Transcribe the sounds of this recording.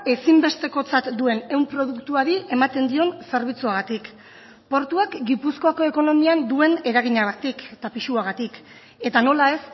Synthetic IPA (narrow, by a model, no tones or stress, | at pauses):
e̞simbe̞st̪e̞ko̞t͡sat̪d̪ue̞ne̞wmpɾo̞ð̞ukt̪uaɾiʔe̞mat̪e̞nd̪io̞nse̞ɾβ̞it͡suaɣ̞at̪ik | po̞ɾt̪uakɡipusko̞ako̞e̞ko̞no̞miand̪ue̞ne̞ɾaɣ̞iɲaɣat̪ikt̪apiʃuaɣ̞at̪ik | e̞t̪ano̞lae̞s